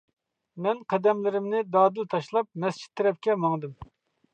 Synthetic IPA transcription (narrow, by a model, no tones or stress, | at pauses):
mɛnqʰɛd̪ɛmlɪɾɪmnɪd̪ɑːd̪ɨlt̪ʰɑʃlˠɑp̚mɛst͡ʃʰi̥t̪ʰːeɾɛp̚kʲɛmɑŋd̪ɨm